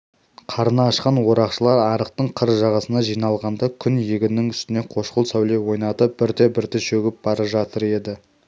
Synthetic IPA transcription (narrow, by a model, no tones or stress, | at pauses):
qʰɑɾənɑːʃqɑnwo̞ɾɑqʃəlˠɑɾɑɾəq̚t̪əɴqʰəɾʒɑʁɑsənɑʒijnɑlˠʁɑnd̪ɑkʲʰʏnjeɡʲɪnɪŋʏst̪ɪne̞qʰo̞ʃqəlˠsæwle̞wo̞jnɑt̪əp̚b̥ɪɾt̪e̞bɪɾt̪eʃɵɡʲɪp̚b̥ɑɾɑʒɑt̪əɾe̞d̪ɪ